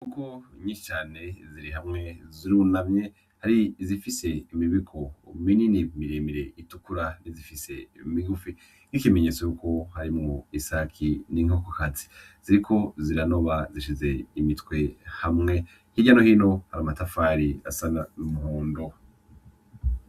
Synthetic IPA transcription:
ukoɲiʃit͡ʃaːne̞ziɾiɦamŋe̞ziɾunamɲe | haɾizifise̞imiβikʰomininimiɾeːmiɾe̞ʔitukuɾanizifise̞imiɡufi | n̥ikime̞ɲe̞t͡sojuko̞haɾimŋoisakʰiniŋokokat͡si̥ | z̥iɾikʰo̞ziɾano̞βaziʃize̞imitwe̞hamŋe̞ | hiɟanohiːno̞haɾamatafaːɾia̰sanaumuhuːndo

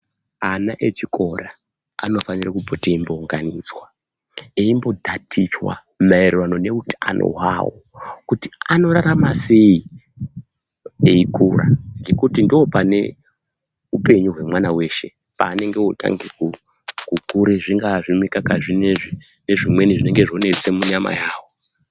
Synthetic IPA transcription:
anaʔe̞t͡ʃiko̞ra | ano̞fanirakupoteimbouŋɡanid͡zwa | eimbo̞dʱatʰit͡ʃwa̰ | mairewano̞ne̞utianʔo̰ɦwa̰wo̰kutiano̞ɾaɾamase̞i | eikuraŋɡe̞kutindio̞pane̞ | upe̞ɲuɦwe̞mwanawe̞ʃe̞ | paːne̞ŋɡe̞ota̰ŋɡeku | kukuɾeʐiŋɡaʐimwikakaʐineʐi | ne̞ʐimwe̞niʐine̞ŋɡe̞ʐo̞ne̞t͡se̞muɲama̰jaːwo

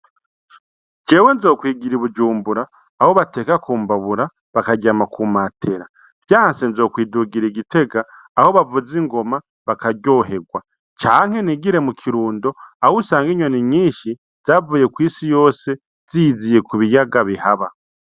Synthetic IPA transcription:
ɟe̞ːwe̞nzo̞ːkwiːɡiɾiβud͡ʒuːmbuɾaː | ho̞βate̞ːkakuːmbaβuɾa | βakaɟamakʰumatʰe̞ɾa | bjaːnsenzo̞ːkwiːduɡiɾiɟite̞ɡaː | ho̞βavud͡ziŋɡo̞ma | βakaɟo̞ːɦe̞ɡwa | t͡ʃaːŋ̥he̞niɡiɾe̞mukʰiɾuːndo̞ahusaːŋɡiɲwoniɲiːʃi | z̥aːvuːje̞kwiːsijo̞ːse̞ | z̥izije̞kuβijaɡaβihaβa

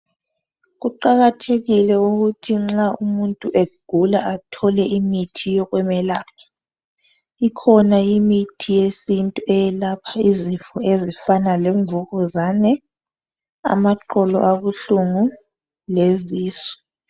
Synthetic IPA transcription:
ɣuǃaɣatʰeɣilɛuɣutʰiŋ͡ǁaumuntʼuʔeɡ̥ʱulaʔatʰɔlɛʔimitʰijɔɣwɛmɛlaːkʰa | ikʰɔnaimitʰijesintʼuʔɛjɛlapʰaizifɔezifanalɛɱvuɣuzanɛ | a̰maǃɔlɔ̰ʔaɣuɬuŋu | leziːsɔ̥

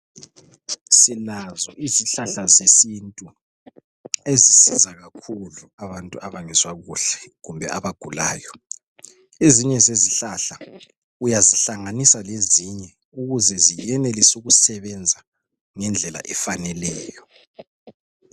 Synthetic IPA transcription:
silazɔʔiziɬaɬazesintʼu | ezisizaɣakʰuluaβantʼuaβaŋɛzwaɣuɬɛ̥ɣumbʱɛaβaɡ̥ʱula̰ːjɔ | eziɲɛzeziɬaɬa | ujaziɬaŋanisaleziɲɛ | uɣuzɛzijɛnɛlisuɣusɛβɛnd͡zʱa | ŋɛnd͡ɮʱɛla̰ʔɛfanɛlɛːjɔ

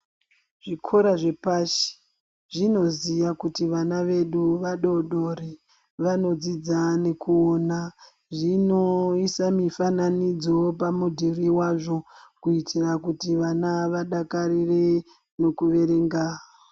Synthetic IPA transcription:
ʐikʰoɾaʐepaʃi̥ | ʐino̞zijakutiʋanaʋe̞ɗuʋaɗo̞ɗore | ʋano̞d͡zid͡zane̞kuona | ʐinoisamifananid͡zo̞pamudʱiriwaʐo̞kuitʰirakutiʋanaʋaɗakaɾire | no̞kuʋe̞ɾe̞ːŋɡa

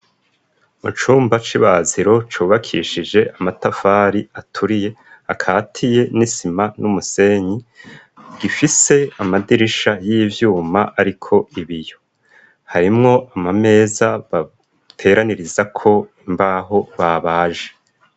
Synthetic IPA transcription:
mṵt͡ʃuːmbat͡ʃiβaziɾo̞t͡ʃuːβakʰiʃid͡ʒe̞ʔamatafaːɾiatʰuɾije̞ | akʰaːtʰije̞nisimanumuse̞ɲi | ɡ̥ifise̞amadiɾiʃajiːvjuːmaʔaɾikʰo̞iβijo̞ | haɾimŋo̞ʔamame̞ːzaβa | tʰe̞ɾaniɾizakʰo̞imbaːɦo̞βaβaːʒe

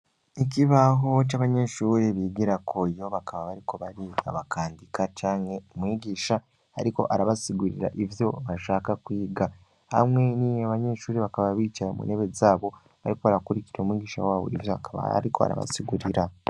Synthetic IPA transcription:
iciβaɦot͡ʃaβaɲe̞ʃuːɾeβiːɡiɾakʰojo̞βakʰaβaβaɾiko̞βaɾiːɡa̰βakʰaːndikat͡ʃaːŋe̞omwiːɟiːʃa | a̰ɾiko̞̰ʔaɾaβasiɡuɾḭɾa̰ʔivjo̞βaʃaːkakwiːɡa | ha̰mŋe̞nieβaɲe̞ːʃuːɾiβakaβaβiːt͡ʃajmṵneβe̞zaːβo̞ | βaɾiko̞βaɾakuɾiciɾomwiːɡiːʃa̰waːβo̞̰ivjoa̰kaβa̰ɾiko̞a̰ɾa̰βa̰siɡuɾiɾa

